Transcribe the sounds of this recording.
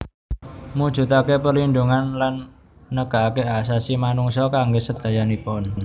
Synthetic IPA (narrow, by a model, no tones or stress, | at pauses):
mud̥ʒ̥ṳt̪akepəɾlind̪uŋanlanː | əɡ̥a̤ʔakeasasimanuŋsɔkaŋɡʊsəd̪̥a̤janipɔn